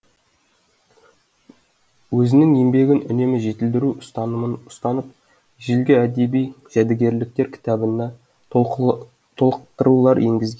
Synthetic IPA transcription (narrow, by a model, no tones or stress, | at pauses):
wɵzɪnɪŋje̞mbe̞ɡʲɪnʏ̰ne̞mɪʒe̞t̪ɪld̪ɪɾust̪ɑəʊ̥st̪ɑnəp̚ | ʒɪlɡʲɪæd̪e̞bijʒ̥æd̪ɪɡʲe̞ɾlɪk̚t̪e̞ɾkʲʰɪ̥t̪ɑbənd̪ɑ | t̪ʰo̞lˠqt̪əɾulˠɑɾje̞ŋɡʲɪzɡʲen